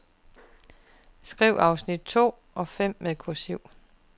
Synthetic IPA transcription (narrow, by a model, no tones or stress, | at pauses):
sɡ̥ʁiʊʔɑ̈ʊsnid̥̚t͡sʰo̝̰ː | ʔɒ̽fem̰meðˠkʰosyʊ̰